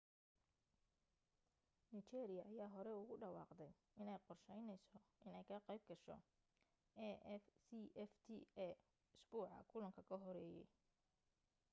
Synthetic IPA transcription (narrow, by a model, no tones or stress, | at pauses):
nit͡ʃɛːɾɪjɐʔːjaːɦɔɾɛʊɣʊɖɑwɑːqd̪ɛj | ɪnɛjqɔrʃɛjnɛjsɔʔɪnɛjkʰɐqɑjb̚ɡɐʃɔ̰ | ɛɛfsiʔɛft̪ʰḭɛ | ɪsbuːʕɑ̰kʰʊlɐŋkʰɐkʰɐɦɔɾɛːjɛ̰j